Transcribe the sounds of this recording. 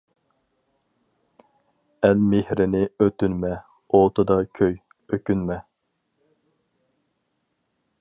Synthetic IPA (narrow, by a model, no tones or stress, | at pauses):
ɛlmɪhɾɪnɪøt̪ynmɛ | ot̪ɨd̪ɑkʲʰøj | økʲynmɛ